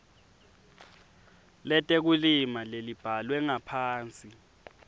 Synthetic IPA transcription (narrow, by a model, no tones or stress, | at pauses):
lɛtʼek̬ulimalelib̥ʱalwɛŋapʰaːnt͡sʼi